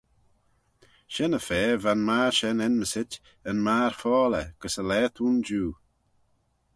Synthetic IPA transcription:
ʃɛnəfɛːvanmaːʃɛnɛnməsɪt | ənmaːɹfɔːlɛɡ̥əsəlɛːt̪ʰuːnd͡ʒuː

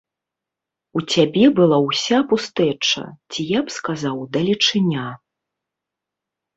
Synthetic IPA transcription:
ut͡sʲabʲɛbɨlˠawsʲapust̪ɛt͡ʂɐ̰t͡sʲijapskazawd̪ɐlʲit͡ʂɨnʲa

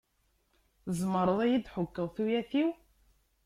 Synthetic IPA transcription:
zməɾˤəðˤæjid̪ħʊkːəðˤθujæθiw

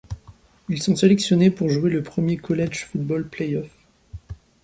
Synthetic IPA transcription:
ilsɔ̃selɛksjɔnepuʁʒuweləpχəmjekɔlɛʒfut̪̚bɔlplɛjɔf

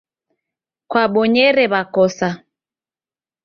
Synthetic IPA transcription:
kwaɓɔɲɛɾɛβakɔsa

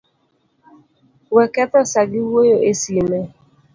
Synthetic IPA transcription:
wekɛtɔsaɡɪwojoʔesime

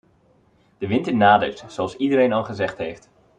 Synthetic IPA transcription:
d̥əʋɪntənaːdə̰tsoɑlˠsidəɾejnɑlˠχəzɛχtɦejft

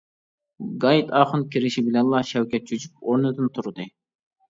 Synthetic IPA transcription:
ɡɑjit̪ɑːχɨnkʲʰiɾɪʃibɪlɛnlˠɑʃɛwkʲɛt̪̚t͡ʃʰyd͡ʒyp̚oɾnɨd̪ɨnt̪ʰuɾɨd̪ɨ

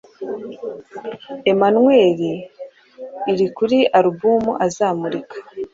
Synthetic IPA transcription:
e̞manwe̞ːɾi | ɾikuɾiaɾubumuʔazaːmuɾikʰḁ

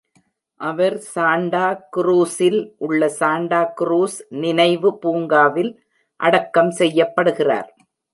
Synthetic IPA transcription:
ʔɐʋɐɾsaːɳɖaːkɾuːsɪlʔʊɭːɐsaːɳɖaːkɾuːsnɪnɐɪʋɯpuːŋɡaːʋɪl | ʔɐɽɐkːɐmsɛjːɐpːɐɽɯɣɪra̰ːɾ

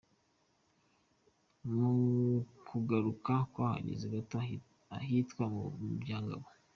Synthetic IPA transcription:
mukʰuɡaɾukakwoaha̰ɲḭziɡat | aɦitkwamuubjaːŋɡa̰βo

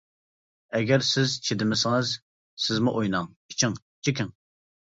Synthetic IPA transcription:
ɛɡʲɛɾsɪzt͡ʃʰed̪ɪmɪsɪŋɨz | sɪzmuʔojnɑŋ | i̥t͡ʃʰɪŋ | t͡ʃʰikʲɪŋ

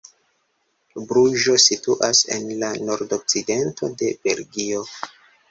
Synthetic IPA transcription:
bɾuʒo̞situʔase̞̰nlano̞ɾdok̚t͡side̞ntʰo̞̰de̞b̥e̞lɡio̞

